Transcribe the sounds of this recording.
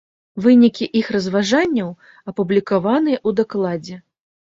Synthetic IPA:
vɨnʲikʲiʔixrɐzvaʐanʲːɐw | ɐpublʲikavanɨjɛʔud̪aklˠad͡zʲɛ

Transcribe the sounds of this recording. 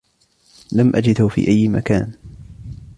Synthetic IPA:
lamʔad͡ʒɪd̪hʊfḭːʔajːma̰ka̰ːn

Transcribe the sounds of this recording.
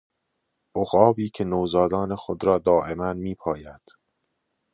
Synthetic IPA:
oɣɒːbiːkcʰe̞nowzɒːd̪ɒːnexod̪ɾɒːd̪ɒːʔe̞mænmiːpʰɒːjæd̪̥

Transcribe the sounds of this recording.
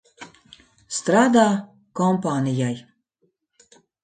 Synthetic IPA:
st̪ɾaːd̪a | kɔmpanijaj

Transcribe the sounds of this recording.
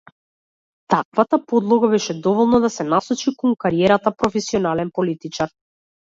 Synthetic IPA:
t̪akvat̪apɔd̪lˠɔɡabɛʃɛd̪ɔvɔlˠnɔd̪asɛnasɔt͡ʃikɔŋkaɾiɛɾat̪apɾɔfɛsiɔnalɛnpɔlit̪it͡ʃaɾ

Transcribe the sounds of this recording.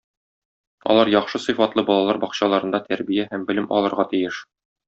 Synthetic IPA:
ɒ̰lˠɑɾjɒχʃɤsɤ̆fɑt̪lˠɤbɒlˠɑlˠɑɾbɒqɕɑlˠɑɾɤ̆nd̪ɑt̪æɾbijæhæmbɘ̆lɘmʔɒ̰lˠɤ̆ɾʁɑt̪ijɘʃ

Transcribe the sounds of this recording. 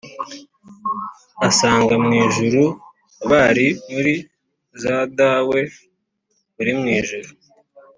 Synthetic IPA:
asaːŋɡamŋiːʒuɾu | βaɾimuɾi | zaːdaːwe̞ | βuɾimŋiːʒuɾu

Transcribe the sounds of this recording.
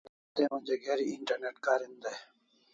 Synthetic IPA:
t̪ẽːmʊ̃d͡ʑeːɡeːɾiɪɳʈəɾneːʈkaːɾĩnd̪e

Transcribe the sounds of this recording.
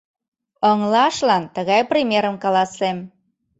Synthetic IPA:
əŋlɑʃlɑnt̪əɣɑjprʲimʲeɾəmkɑlɑsem

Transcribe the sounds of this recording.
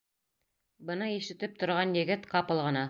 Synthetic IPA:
bɤ̆nɤiʃɘ̆t̪ɘp̚t̪ŏɾʁɑnjɘ̆ɡɘt̪qɑpɤ̆lˠʁɤ̆nɑ

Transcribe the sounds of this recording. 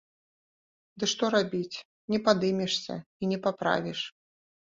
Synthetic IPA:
d̪ɨʂt̪ɔɾabʲit͡sʲ | nʲɛpad̪ɨmʲɛʂsʲɐ̰inʲɛpapɾa̰vʲiʂ

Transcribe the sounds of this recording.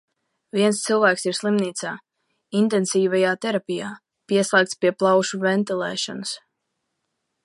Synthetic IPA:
viɛnst̪silˠvæːksiɾslˠimniːt̪saː | int̪ɛnsiːvajaːt̪ɛɾapʲijaː | piɛslˠæːk̚t̪spiɛplˠawʃuvɛnt̪ilˠɛ̰ːʃɔ̰nɨs

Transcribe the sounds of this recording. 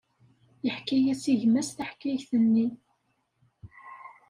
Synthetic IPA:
jəħkːæjæsiʝmæsθaħkːæʝθənːi

